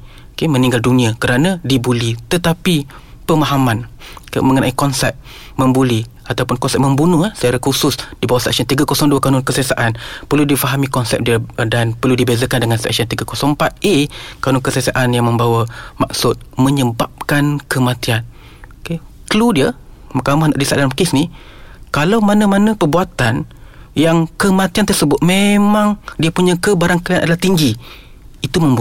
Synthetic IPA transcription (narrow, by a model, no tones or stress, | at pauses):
okemə̃nĩŋɡaldunĩakəɾanãdibulit̪ət̪api | pəmaɦamankmə̃ŋənãʔikɔnsɛ̰p̚ | məmbuli | at̪awpʊnkɔnsɛp̚məmbunʊhasət͡ʃaɾakusʊsdibawasɛ̰k̚siɔnt̪iɡakosɔŋduakanʊnkəsiasaʔanpərludifaɦamikɔnsɛ̰p̚diədanpərludibezəkandəŋansɛ̰k̚sɔnt̪iɡakosɔŋpat̪̚ʔekanʊnkəsəasaʔanjaŋmə̃mbawamaksʊt̪̚məɲəbap̚kankəmat̪ian | oke | kəludiə | makamahnaʔdisaʔdanmpakɪsni | kalawmanamanə̃pərbuat̪anjaŋkəmãt̪iant̪ərsəbʊt̪̚memãŋdiapuɲãkəbaɾaŋkəlanʔadalaht̪iŋɡi | it̪umə̃mbu